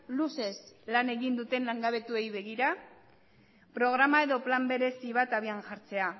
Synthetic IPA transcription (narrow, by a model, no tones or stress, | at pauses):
luse̞slane̞ɣind̪ut̪e̞nlaŋɡaβe̞t̪ue̞jβe̞ɣiɾa | pɾo̞ɣ̞ɾamae̞ðo̞plambe̞ɾe̞siβat̪aβ̞ianʝaɾt͡se̞a